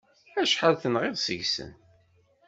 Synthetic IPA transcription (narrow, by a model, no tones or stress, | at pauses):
æʃħaðθənʁeðsəʝsə̰n